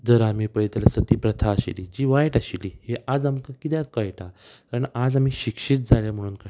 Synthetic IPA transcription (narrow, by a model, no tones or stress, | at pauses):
d͡zəɾamiːpəjt̪alasət̪iːpɾət̪ʰaːɕḭlid͡ʑiːʋajʈaɕiliheʔad͡zamkakit̪jãkəjʈakaɾənad͡zam̤iːɕikʂiːt̪̚d͡zʱaljam̤əɽ̃uːnka